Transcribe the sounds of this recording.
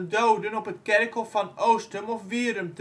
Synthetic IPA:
ndowdənɔpətkɛɾkɔfɑnowstəmɔfʋiːɾəmt

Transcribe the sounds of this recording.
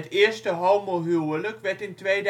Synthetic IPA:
ətɪːəɹstəɦowmolɦyələkʋɛɹtɪntʋeːd

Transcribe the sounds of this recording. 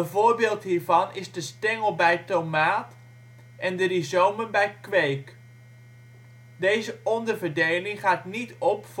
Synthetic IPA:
ənvʊːɹbɪːlˠtɦiːɹvɑnɪzdəstɛŋəlˠbɛjtowmaːt | ʔɛndərizowmənbɛjkʋejk | dejzəɔndəɹvəɹdejlɪŋχaːtnitɔpf

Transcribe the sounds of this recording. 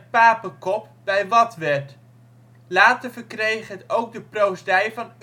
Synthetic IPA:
tpaːpəkɔp̚ | bɛjʋɑtʋɛɹt | laːtəɹvəɹkrejχɦətowɡ̚dəprowsdɛjvɑn

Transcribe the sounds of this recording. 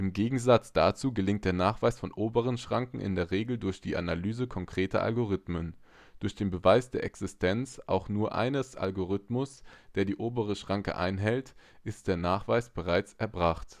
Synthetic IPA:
ʔɪmɡeːɡŋ̩zat͡sd̥at͡suːɡəlɪŋt̚d̥eːɐnaːχv̥aɪsfɔnʔoːbəʁ̞ənʃʁ̥aŋkŋ̩ʔɪ̰ndeːɐʁeːɡl̩dʊɐçd̥iːʔa̰nalyːzəkʰɔŋkʁ̥eːtɐ̰ʔa̰lɡoʁ̞ɪtmən | d̥ʊɐçd̥eːnbəvaɪsd̥eːɐʔɛksɪstʰɛnt͡sʔa̰ʊxnuːɐʔa̰ɪnəsʔa̰lɡoʁɪtmʊsd̥eːɐdiːʔoːbəʁ̞əʃʁ̥aŋkə̰ʔa̰ɪnɦɛltʔɪst̚d̥eːɐnaːχv̥aɪsb̥əʁ̞aɪt͡sʔɛɐbʁaχt

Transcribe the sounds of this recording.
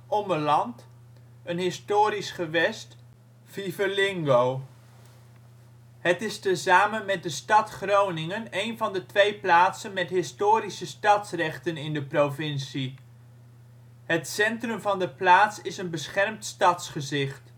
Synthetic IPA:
ɔməlɑnt | ənɦɪstʊːɾisχəʋɛst | v̥ivəɹlɪŋɡow | ɦətɪstəzaːmənmɛt̚dəstɑtχrownɪŋənejnvɑndətʋejplaːtsənmɛtɦɪstʊːɾisəstɑtsrɛχtənɪndəprowvɪnsi | ɦətsɛntrɵmvɑndəplaːtsɪsənbəsχɛrmtstɑtsχəzɪχt

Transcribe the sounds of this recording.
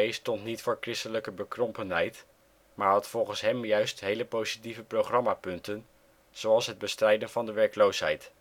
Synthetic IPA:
ejstɔntnitfʊːɹkrɪstələkəbəkrɔmpənɦɛjt | maːɹɦɑtfɔlˠχənsɦɛmjœɥstɦejləpowzitivəprowχrɑmaːpɵntən | z̥owɑlˠsɦəd̚bəstrɛjdənvɑndəʋɛɹklowsɦɛ̰jt

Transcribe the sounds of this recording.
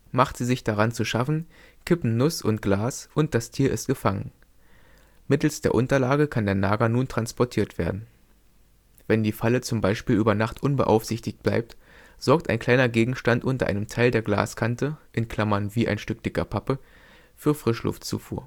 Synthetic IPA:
maχtz̥iːzɪçd̥aʁant͡suʃafn̩ | kʰɪpm̩nʊsʊ̰ntɡ̥laːsʔʊnt̚d̥astʰiːɐʔɪst̚ɡ̥əfaŋə̰n | mɪtl̩sd̥eːɐʔʊntɐlaːɡəkʰandeːɐnaːɡɐnuːntʁ̥anspɔɐtʰiːɐtv̥ḛːɐdn̩ | v̥ɛndiːfalət͡sʊmbaɪʃpiːlʔyːbɐnaχtʔʊnbə̰ʔa̰ʊfz̥ɪçtɪçt̚b̥la̰ɪp̚tz̥ɔɐk̚ta̰ɪnkʰl̥aɪnɐɡeːɡŋ̩ʃtantʔʊntɐ̰ʔa̰ɪnəmtʰaɪldeːɐɡla̰ːskʰantəʔɪnkʰl̥amɐnviːʔa̰ɪnʃtʏk̚d̥ɪkɐ̰pʰapə | fyːɐfʁ̥ɪʃlʊ̰ftt͡sṵːfṵːɐ

